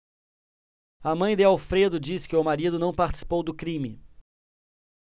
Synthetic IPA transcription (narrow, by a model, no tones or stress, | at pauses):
ɐmɐ̃j̃d̪ɪawfɾed̪ʊd͡ʒiskɪʊmaɾid̪ʊnɐ̃w̃paɾt͡ʃɪ̥si̥powd̪ʊkɾĩmɪ